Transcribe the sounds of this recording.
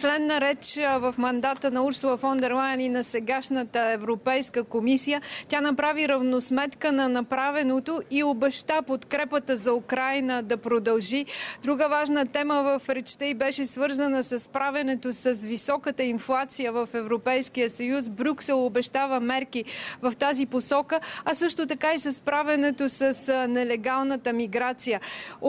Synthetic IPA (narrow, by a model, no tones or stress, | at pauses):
t͡ʃlɛnːɐɾɛt͡ʃvɐfmɐnd̪at̪ənɐuɾsʊlˠəfɔnd̪ɛɾlˠajɛninɐsɛɡaʃnət̪əɛvɾopɛjskəkomisijət̪ʲanɐpɾaviɾɐvnosmɛt̪kənɐnɐpɾavɛnot̪oiobɛʃt̪apot̪kɾɛpət̪əzɐukɾajnəd̪ɐpɾod̪ɐlˠʒid̪ɾuɡəvaʒnət̪ɛməvəfɾɛt͡ʃt̪ɛibɛʃɛsvɤɾzənəsɐspɾavʲɐnɛt̪osɐsvisɔkət̪əinflˠat̪sijəvəfɛvɾopɛjskijəsɐjus̬bɾʲuksɛlˠobɛʃt̪avəmɛɾkivɐft̪aziposɔkəɐsɤʃt̪ot̪ɐkaisɐspɾavʲɐnɛt̪osəsnɛlɛɡalˠnət̪əmiɡɾat̪sijə